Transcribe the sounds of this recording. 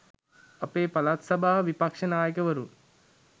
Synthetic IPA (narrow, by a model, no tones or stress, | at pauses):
ɐpeːpɐlat̪sɐbʱaːʋipakʂənaːjəkəʋəɾun